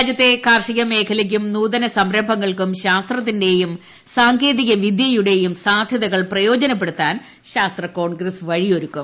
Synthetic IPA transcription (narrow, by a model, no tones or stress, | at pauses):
ad͡ʑjɐt̪ːe̞kaːrʂiɣɐme̞ːkʰɐlek̬ʲːumnuːðɐnɐsɐmɾɐbʱɐŋːɐɭkumɕaːst̪rɐt̪̬ːinde̞jum | saːŋkʰe̞ːðiɣɐʋid̪jɐjuɽe̞jumsaːd̪ʱjɐðɐɣɐɭprɐjo̞ːd͡ʑɐnɐp̬ːe̞ɽut̪ːaːn | ɕaːst̪rɐko̞ːɳɡrɐsʋɐɻijo̞ɾukːum